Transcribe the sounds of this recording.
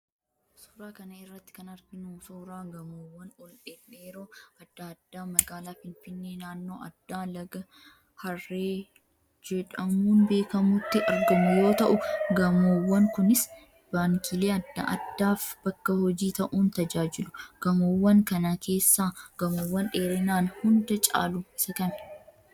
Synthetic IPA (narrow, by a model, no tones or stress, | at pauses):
suːɾaːkɐnɐɪrːɐt̪ːɪ̥kɐnɐɾɡɪnuːsuːɾaːɡɐmoːwːɐnɔlᶑeːᶑːeːɾoːɐd̪̥ːɐːd̪ːaːmɐɡaːlaːfɪnfɪnːe̞ːnaːnːo̞ːɐ̰d̪̥ːaːlɐɡɐ | hɐrːeː | d͡ʒɛᶑɐmuːnbe̞ːkɐmʊt̪ːɪʔɐɾɡɐmʊjo̞ːt̪ɐʔʊɡɐmoːwːɐŋkʊnɪs | b̥aːŋkʰiːle̞ːɐd̪ːɐ̰ʔɐd̪ːaːfb̥ɐkːɐhɔd͡ʒiːt̪ɐʔuːnt̪ɐd͡ʒaːd͡ʒɪlʊɡ̥ɐmoːwːɐŋkɐnɐkʰe̞ːsːaːɡ̥ɐmoːwːɐnᶑe̞ːɾɪnaːnhʊnd̪ɐt͡ʃʼa̰ːluɪsɐkɐmɛ̥